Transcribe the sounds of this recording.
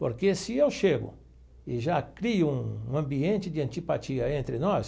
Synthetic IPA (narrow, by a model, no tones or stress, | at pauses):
po̰ɾkesɪewʃeɡʊ̰ | ɪʒakɾiʊũũɐ̃mbiẽnt͡ʃ̪ɪd̪ɪɐ̃nt͡ʃ̪ipat͡ʃiɐẽnt̪ɾɪnɔs